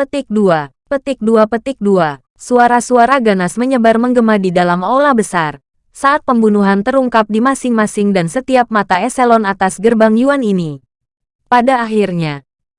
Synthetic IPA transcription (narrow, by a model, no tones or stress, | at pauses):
pət̪ɪk̚dua | pət̪ɪk̚duapət̪ɪk̚dua | suaɾasuaɾaɡanasməɲəbarməŋɡəmadidalamolahbəsar | saʔat̪̚pəmbunuɦant̪əɾuŋkap̚dimasɪŋmasɪŋdansət̪iap̚mat̪aɛsɛlɔnat̪asɡərbaŋjuanini | padaːɦirɲa